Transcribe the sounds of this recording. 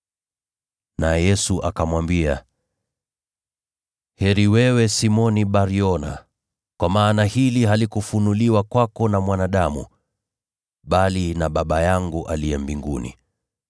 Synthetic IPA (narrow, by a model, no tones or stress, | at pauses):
najɛsuʔakamwambia | hɛɾiwɛwɛsimɔniɓaɾiɔna̰ | kwamaːnahiliɦalikufunuliwakwakɔnamwanaɗamṵ | ɓalinaɓaɓajaŋɡuʔaliɛmbiŋɡṵnḭ